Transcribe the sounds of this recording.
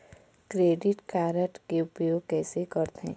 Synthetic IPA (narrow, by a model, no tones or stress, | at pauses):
kɾeːɖɪʈkaːɾəʈkeʊpjoːɡ̚kɛːsekəɾt̪ɛ̰̃ː